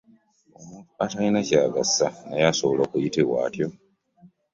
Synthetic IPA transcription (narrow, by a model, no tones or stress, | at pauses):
omuntuatainacaːɡasːanajasoβolokujitewa̰ːtjo